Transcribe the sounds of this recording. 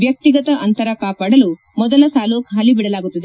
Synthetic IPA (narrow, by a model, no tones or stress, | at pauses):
ʋjɐk̚t̪iɡɐt̪ɐʔɐnt̪ɐɾɐkaːpaːɽɐlu | mɔd̪ɐlɐsaːloːkɦɐlibiɽɐlaːɡut̪ːɐd̪e